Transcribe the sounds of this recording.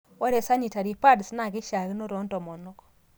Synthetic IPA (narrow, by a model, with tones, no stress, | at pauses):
wɔ˦ɾe˨sa˦ɲi˨ta˨ɾi˨pa˦dsna˦˨ɡɪ˦ʃa˨ɡno˦ɾɔ˨˦ntɔ˨mɔ˨nɔ˦kɔ̥˨